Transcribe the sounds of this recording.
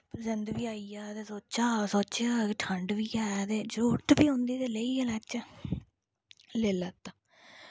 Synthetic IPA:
zənd̪ʋiːaːijaːt̪eːsoːt͡ʃaːsoːt͡ʃːaːʈʰəɳɖʋiːaːt̪eːd͡ʒoːʈbiːɦõnd̪iːd̪eːləiːɛlɛːt͡ʃɛ | leːləːt̪aː

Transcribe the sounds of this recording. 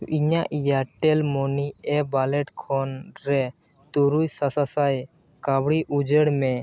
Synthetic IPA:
iɲaʔjaʈɛlmɔniɛbalɛʈkʰɔnɾɛ | t̪uɾujsasasaj | kabɽiʔud͡ʒəɽmɛ

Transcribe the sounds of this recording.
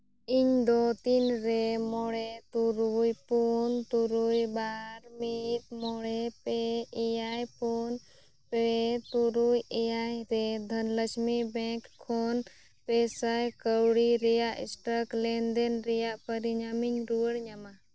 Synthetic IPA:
iɲd̪ot̪inɾemɔɽet̪uɾujpunt̪uɾujbaɾmit̪mɔɽepeijajpun | peet̪uɾujejajɾed̪ʱənləsmibɛ̃kʰːon | pesajkəwɽiɾijaʔḭsʈəklɛnd̪enɾijapəɾiɲamiɲɾuəɽɲama

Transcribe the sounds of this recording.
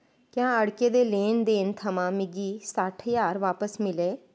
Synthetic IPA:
kjãːəɽkeːd̪eːleːnd̪eːnt̪ʰəmãːmɪɡiːsaːʈʰjaːɾʋaːpəsmɪleː

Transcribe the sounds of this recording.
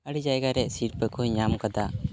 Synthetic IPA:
əɽid͡ʒajɡaɾɛʔsiɾpɛkɔɲamkad̪a

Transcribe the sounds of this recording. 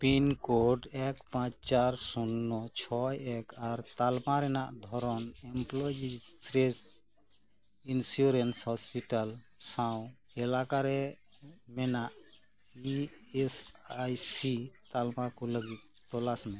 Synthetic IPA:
pinkoɖɛkpãt͡ʃt͡ʃaɾsunːɔt͡ʃʰɔɛkʰaɾt̪almaɾɛnaʔd̪ʱɔɾɔnɛmplɔjd͡ʒisɾes | insuɾenshɔspiʈalsaw̃ | ɛlakaɾɛ | mɛnaʔ | iɛsajsit̪almakuləɡit̪̚t̪ɔlasmɛ̃

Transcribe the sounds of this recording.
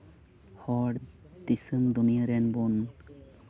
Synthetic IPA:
hɔɖ | d̪isɨmd̪unijaɾɛnbun

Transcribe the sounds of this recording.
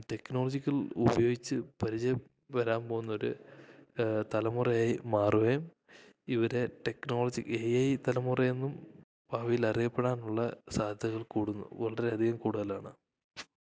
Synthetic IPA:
ʈe̞kno̞ːld͡ʑikʲːɐlṵbɐjo̞ːɡit͡ɕːɨpɐɾid͡ʑɐ | ʋɐɾaːmpoːɣunːɐo̞ɾu | t̪ɐlɐmurɐjaːjimaːruʋejɐm | iʋɐɾe̞ʈe̞kno̞ːɭɐd͡ʑiejɐjt̪ɐlɐmurɐjenːum | bʱaːʋijilɐrijɐpːe̞ɽaːnuɭːɐsaːd̪ʱjɐɣɐɭkuːɽunːṵʋɐɭɐɾe̞ɐd̪ʱiɣɐmkuːɽuðɐlaːɳɨ̰

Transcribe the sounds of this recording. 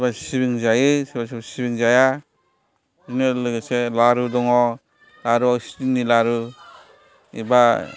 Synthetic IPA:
basibiŋzajɯsibasibasibiŋzaja | zunelɯɡɯselaɾudɔŋɔ | laɾuawsi̥tinilaɾu | ḭba

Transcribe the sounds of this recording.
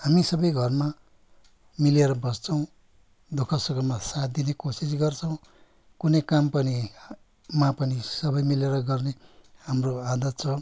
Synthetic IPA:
ɦamisʌbʌjɡʱʌrma | mileɾʌbʌst͡sʰʌw̃ | d̪okʰʌsuɡʌmasad̪inekosis̬ɡʌrt͡sʰʌw̃ | kunʌjkampʌni | mapʌnisʌbʌjmileɾʌɡʌrnehamroad̪ʌt̪t͡sʰʌ

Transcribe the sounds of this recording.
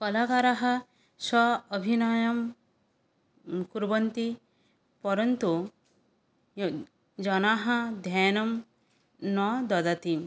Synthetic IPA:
kɔlakaɾaɦɐ | ʃɔːbʱinɔjɐm | kuɾbɐnt̪i | pɔɾɐnt̪u | d͡ʒɔnaɦɐd̪ʱjaːnɐm | nɔd̪ɔd̪at̪im

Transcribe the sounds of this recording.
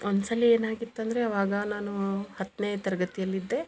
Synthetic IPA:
ond̪sɐlːieːnaːɡit̪ːɐnd̪ɐɾeɐʋaːɡɐnaːnuhɐt̪ːneːt̪ɐɾɐɡɐt̪ijɐlːid̪ːe̞

